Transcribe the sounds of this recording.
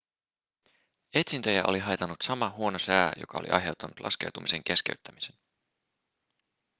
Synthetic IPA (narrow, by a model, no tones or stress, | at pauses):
e̞t̪sint̪ø̞jæʔo̞liɦɑjt̪ɑnːut̪sɑmɑɦuo̞nosæːjo̞̰kɑo̞lḭʔɑ̰jɦe̞wt̪ːˑɑnut̪lʔɑ̰ske̞̰wt̪umise̞ŋk̟e̞skeɥt̪ːæmisen